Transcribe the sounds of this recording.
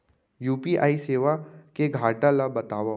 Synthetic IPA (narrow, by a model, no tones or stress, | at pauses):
juːpiʔa̰ːiseːʋakeɡʱaːʈalabɐt̪aːʋa